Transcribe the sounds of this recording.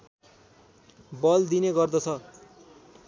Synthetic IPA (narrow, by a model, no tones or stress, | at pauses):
bʌld̪ineɡʌrd̪ʌt͡sʰʌ